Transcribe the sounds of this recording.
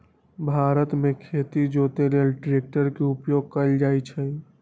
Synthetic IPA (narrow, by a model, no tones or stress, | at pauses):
bʱaɾət̪mekʰet̪id͡ʒot̪elelʈɾek̚ʈəɾkeupjoɡ̚kəld͡ʒajt͡ʃʰə